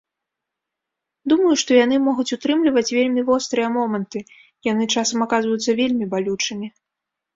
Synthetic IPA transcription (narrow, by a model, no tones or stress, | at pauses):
d̪umɐjuʂt̪ɔjan̪ɨmɔɣut͡sʲut̪ɾɨmlʲivɐt͡sʲvʲelʲmʲivɔst̪ɾɨjɛmɔmɐnt̪ɨ | jan̪ɨt͡ʂasɐmakazvɐjut̪sːɐvʲelʲmʲibalʲut͡ʂɨmʲi